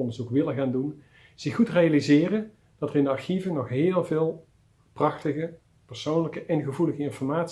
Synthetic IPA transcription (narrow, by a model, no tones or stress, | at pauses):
ɔndəɹzukʋɪləɣaːndun | z̥ɪxutrejalizɪːrən | d̥ɑtərɪndəɑɹxivənɔχɦɪːlˠvɪːlˠ | prɑxtəɣə | pəɹsownləkəʔɛnɣəvuləɣəɪnfɔɹmaːts